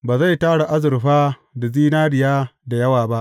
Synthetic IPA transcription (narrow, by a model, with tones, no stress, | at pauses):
baː˨za˦˨jtaː˦ɽa˨ʔa˦zɪ˨ɾɸaː˦ | da˨ziː˦naː˦ɽɪ˨jaː˦da˨jɐ˦waː˨ba˦ʔ